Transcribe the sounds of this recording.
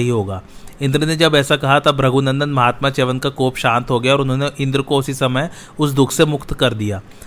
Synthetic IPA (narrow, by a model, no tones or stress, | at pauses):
ɦiɦoːɡaːɪ̃nd̪ɾned͡ʒɐbɛːsakɐɦat̪abɾɐɡʱunə̃nd̪ənmɐɦaːt̪mat͡ʃeːʋənkakoːpʃãːnt̪ɦoɡɐjaɔːɾʊnɦõːneʔɪ̃nd̪ɾəkoʊsisɐməj | ʊsd̪ʊkʰsemʊkt̪kɐɾd̪ijaː